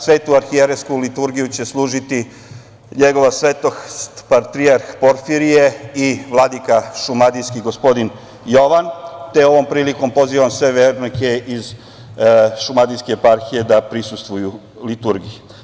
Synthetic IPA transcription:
sʋe̞ːt̪uaɾxieɾeskulit̪uɾɡijut͡ɕe̞slˠuːʒit̪i | ɲe̞ɡo̞ʋasʋet̪opaɾt̪ɾiaɾxpo̞ɾfiɾije̞iʋlˠad̪ikaʃumad̪ijskiɡospo̞d̪in | jo̞ʋant̪eo̞ʋo̞mpɾiːliko̞mpo̞ziʋamsʋe̞ʋeːɾnoke̞iz | ʃumad̪ijskeːpaɾxije̞d̪apɾisust̪ʋuju | lit̪uɾɡiju

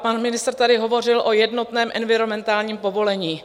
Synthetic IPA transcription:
panmɪnɪst̪rt̪adɪɦo̞vo̞r̝ɪlʔo̞jɛdno̞t̪nɛːmʔɛnvɪɾomɛnt̪aːlɲiːmpo̞vo̞lɛɲiː

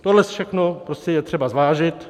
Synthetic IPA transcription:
t̪odlɛsfʃɛxnopɾoscɛjɛt̪r̥ɛbazvaːʒɪt̪

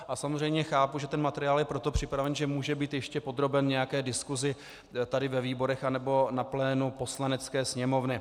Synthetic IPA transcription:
ʔasamozrɛjmɲɛxaːpuʒɛt̪ɛnmat̪ɛɾɪjaːljɛpɾo̞t̪opr̝̥ɪpɾavɛnʒɛmuːʒɛbiːt̪jɛʃcɛpo̞d̪ɾo̞bɛnɲɛjakɛːdɪskuzɪ | t̪adɪvɛviːbo̞ɾɛxanɛbo̞naplɛːnupo̞slanɛt͡skɛːsɲɛmo̞vnɪ

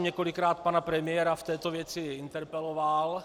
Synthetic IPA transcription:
mɲɛkolɪkɾaːt̪̚panapɾɛmɪjɛɾaft̪ɛːt̪ovjɛt͡sɪɪnt̪ɛɾpɛloval

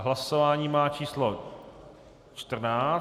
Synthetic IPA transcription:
ɦlasovaːɲiːmaːt͡ʃiːslo | t͡ʃt̪r̩naː

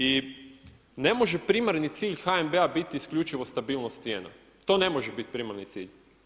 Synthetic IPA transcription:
i | ne̞moʒepɾimaɾnit̪siːʎxaembeabit̪iːskʎut͡ʃiʋost̪abiːlnost̪sjeːna̰ | t̪o̞ːne̞mo̞ʒebit̪̚pɾimaɾnit̪sḭːʎ

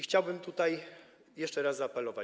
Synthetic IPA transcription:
xt͡ɕawbɘmt̪ut̪aj | jɛʂt͡ʂɛɾaszaːpɛlɔva

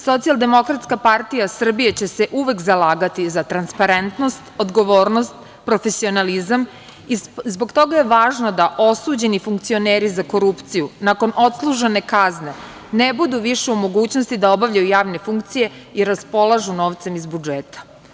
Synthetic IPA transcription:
so̞t̪sialˠd̪e̞mo̞kɾat̪skapaɾt̪ijasr̩bijet͡ɕe̞seʔuʋe̞kzalaːɡat̪izat̪ɾanspaɾent̪no̞st̪o̞d̪ɡo̞ʋo̞ːɾno̞st̪ | pɾo̞fe̞sio̞nalizam | izbo̞ɡt̪o̞ɡaje̞ʋaːʒno̞d̪aʔosuːd͡ʑe̞nifuŋk̚t̪sioneːɾizako̞ɾupt̪sijunako̞nʔo̞t̪slˠuʒene̞kazne̞ | nebud̪uʋiʃeumo̞ɡuːt͡ɕno̞st̪id̪ao̞baʋʎajujaːʋne̞fuŋkt̪sije̞ | iɾaspo̞lˠaʒuno̞ːʋt̪se̞mizbud͡ʒeːt̪ḁ

